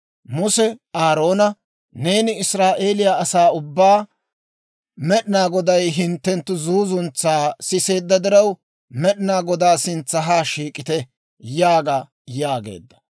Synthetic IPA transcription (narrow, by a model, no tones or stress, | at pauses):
mʊsɛaːɾo̞ːnɐ | ne̞ːnɪɪsɾaːʔe̞ːlɪjaʔɐsaːʊbːaː | mɛɗɪnaːɡɔd̪ɐjɦɪnt̪ːɛnt̪ːʊzuːzʊnt͡sːaːsɪse̞ːd̪ːɐd̪ɪɾɐw | mɛɗɪnaːɡɔd̪aːsɪnt͡sːɐɦaːʃiːkʼɪt̪ɛ | jaːɡa | jaːɡe̞̰ːd̪ːɐ̥